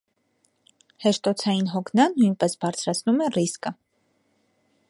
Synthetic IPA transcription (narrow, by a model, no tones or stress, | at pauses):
hɛʃt̪ɔt͡sʰɑjinɦɔkʰnɑnːujnpɛsbɑɾt͡sʰɾɑt͡sʰnumɛriskə